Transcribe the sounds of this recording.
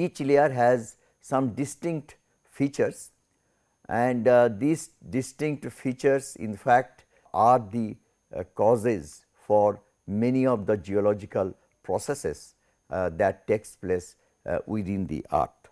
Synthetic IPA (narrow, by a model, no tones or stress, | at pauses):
iːt͡ʃleəɾɦæz | sʌ̃mɖɪsʈɪ̃ŋk̚ʈ | fiːt͡ʃəɾs | ʔɛ̃ɳɖd̪iːsɖɪsʈɪ̃ŋk̚ʈfiːt͡ʃəɾsɪ̰̃nfæk̚ʈ | ʔaːɾd̪i | kɔːzɪz | fɔːɾ | mɛniɔʋd̪əd͡ʒiɔlɔːd͡ʒɪkəl | pɾɔsesɪ̰s | d̪æʈːeːkspleːs | wɪd̪ɪ̃nd̪ḭʔa̰ːɾʈ